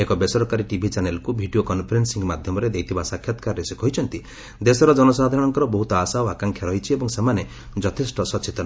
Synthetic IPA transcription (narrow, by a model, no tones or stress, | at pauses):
ekɔbesɔɾɔkaɾiʈibʱit͡ʃanelkubʱiɖiokɔnpʰɔɾensiŋɡmad̪ʱjɔmɔɾed̪ejt̪ʰibasakʰjɔt̪kaɾɾesekɔɦit͡ʃʰɔnt̪i | d̪esɔɾɔd͡ʒɔnɔsad̪ʱaɾɔɽ̃ɔŋkɔɾɔbɔɦut̪ɔasaɔakaŋkʰjaɾɔjt͡ʃʰiebɔŋsemane | d͡ʒɔt̪ʰisʈɔsɔt͡ʃʰit̪ɔn